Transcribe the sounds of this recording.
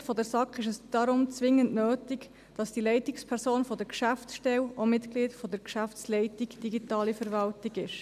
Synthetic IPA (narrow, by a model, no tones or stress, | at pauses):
fɔdəɾsɑkɪʃɛsd̥ɑɾʊmt͡sʋɪŋːəntnøːtɪɡ | d̥ɑsd̥ilɛɪtɪkspʰɛɾsoːnfɔdəɾkʃæfsʃtɛlomɪtɡ̥liːdfɔdəɾkʃæft͡slɛɪtikd̥iɡitɑːlifəɾvɑltiɡɪʃ